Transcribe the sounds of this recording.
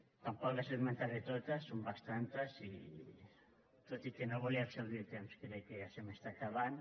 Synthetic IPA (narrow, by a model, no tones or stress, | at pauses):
t̪ampɔklaseðmẽnt̪aɾðet̪ot̪asːombast̪ant̪asi | t̪ot̪ikenoβuliarsolˠd̪it̪emskelejkeasemest̪akaβan